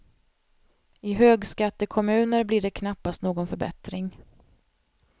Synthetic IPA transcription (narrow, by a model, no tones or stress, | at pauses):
ɪɦøːɡskat̪ːəkʰɔmʉ̟ːnəɾblɪːɖɛkʰnapːast̪noːɡɔnfœɾbɛ̰t̪ɾɪŋ